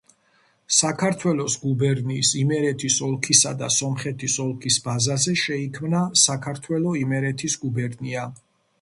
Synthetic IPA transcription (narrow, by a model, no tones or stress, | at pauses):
sakʰaɾt̪ʰwɛlɔsɡubɛɾniːsimɛɾɛt̪ʰisɔlˠkʰisad̪asɔmχɛt̪ʰisɔlˠkʰisbazazɛʃɛikʰmnasakʰaɾt̪ʰwɛlɔimɛɾɛt̪ʰisɡubɛɾnia